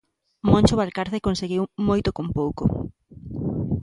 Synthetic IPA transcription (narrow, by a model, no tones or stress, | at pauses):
mõnt͡ʃʊβalkaɾθekonseɣiwmojt̪okompowko